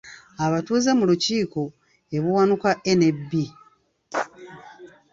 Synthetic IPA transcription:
aβatuːzemuluciːko̞ | eβuwanukaʔene̞bːi

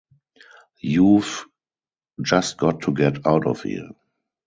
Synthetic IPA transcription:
juv | d͡ʒast̚ɡ̥ɔtʰːuɡɛtʰaʊtɔ̰fhḭ

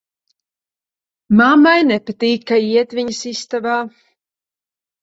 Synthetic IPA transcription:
mamajnɛpat̪iːkːaiɛt̪vʲiɲɐsist̪avaː

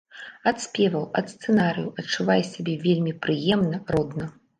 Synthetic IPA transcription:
ɐt̪sʲpʲɛvɐwɐt̪st̪sɛnaɾɨ̰juɐt͡ʂːuvajsʲabʲɛvʲelʲmʲipɾɨjɛmnɐrɔd̪nɐ

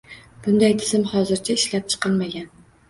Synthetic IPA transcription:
b̥ʊnd̪ajt̪ʰɪzɪmhɒzɪɾt͡ʃʰaɪʃlap̚t͡ʃʰɨ̥qʰɨlˠmaɡʲan

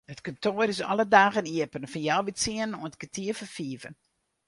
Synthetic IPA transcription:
hətkɔntʰoəɾɪsɔlədaːɣəniəpənfɔnjawʋitsiənnoənətkətʰiəfəfiːvən

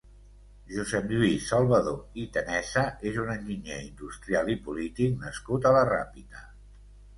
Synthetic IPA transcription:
ʒuzɛmʎwisalˠβəðoit̪ənɛsəezunənʲʒiɲeind̪ust̪ɾialipulit̪ik̚nəskut̪ələra̰pit̪ə

